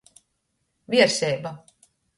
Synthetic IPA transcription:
viɛɾsɛːba

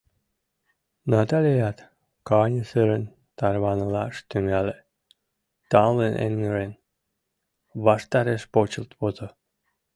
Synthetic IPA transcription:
nɑt̪ɑlʲejæt̪ | kɑnʲəsəɾən | t̪ɑrβɑnəlɑʃt̪yŋæle | t̪ɑmlenʔḛnŋəɾen | βɑʃt̪ɑɾeʃpot͡ɕəlt̪pot̪o

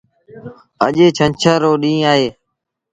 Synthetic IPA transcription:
ə̰ʄeːt͡ʃʰənt͡ʃʰəːɾoːɗĩːaːɦeː

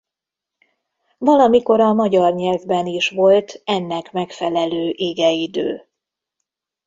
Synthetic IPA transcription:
vɒlɒmiko̞ɾɒmɒɟɒrɲɛlvbɛniʃʋo̞lt̪ɛnːɛkmɛkfɛlɛløːʔeːɡɛid̪ø̰ː

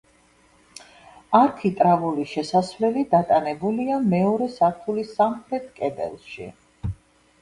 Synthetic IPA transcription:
aɾkʰit̪ʼɾavuliʃɛsasvlɛlid̪at̪ʼanɛbuliamɛɔɾɛsaɾt̪ʰulisamχɾɛt̪ʰkʼɛd̪ɛ̰lˠʃḭ

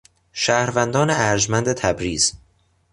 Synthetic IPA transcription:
ʃæːhɾvænd̪ɒːneæɾd͡ʒmænd̪et̪ʰæbɾiːz̥

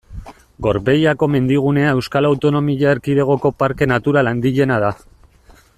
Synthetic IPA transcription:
ɡo̞ɾβe̞jako̞me̞nd̪iɣ̞une̞ae̞wskalawt̪o̞no̞miʎaeɾkiðe̞ɣ̞o̞ko̞paɾke̞nat̪uɾaland̪iʎe̞naða

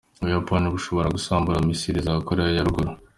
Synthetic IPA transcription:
uβujapaniβuʃo̞βo̞ɾaɡusaːmbuɾamisiɾizaakoɾejajaɾuɡuɾu

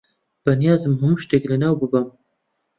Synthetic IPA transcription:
b̥ɐnjɑːzɨmɦɨmuʃt̪eklɨnawbɨbɐm

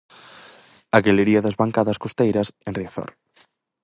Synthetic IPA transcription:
ɐɣeleɾiɐðɐzβaŋkaðɐskost̪ejɾɐsenriaθɔ̰ɾ

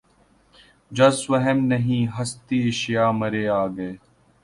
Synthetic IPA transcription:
d͡ʒɐsʋɐɦəmnɐɦĩːɦɐst̪iːeʃjaːmɐɾeːaːɡɐeː

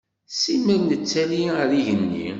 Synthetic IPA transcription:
simælnət͡sːæliɾiʝənːḭ

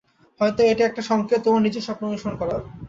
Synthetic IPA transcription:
hɔjt̪oeʈiɛk̚ʈaʃɔŋkʰet̪omanid͡ʑeʃɔpɾomiʃonkɔɾaɾ

